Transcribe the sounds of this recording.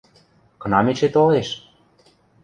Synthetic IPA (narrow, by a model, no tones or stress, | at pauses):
kɤ̆nɑmet͡ɕet̪oleʃ